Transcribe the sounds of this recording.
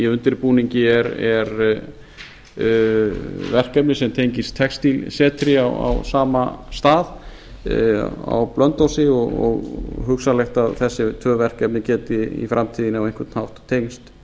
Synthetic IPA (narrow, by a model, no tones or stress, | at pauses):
iʏnt̪ɪɾpuːniɲcɪɛɾɛɾ | vɛr̥kɛpnɪsɛmt̪ʰejɲcɪst̪ʰɛkst̪ilsɛːt̪ʰɾɪawa̰wsaːmast̪aːð | a̰wplœnt̪ɔwsɪɔɣɔ̰ɣɦʏxsalɛxt̪aðθɛsːɪt̪ʰœːvɛr̥kɛpnɪcɛːt̪ɪḭfɾʔamt̪ʰiːðɪnawejnŋkvɛɾt̪nhawht̪ʰːeːjnst̪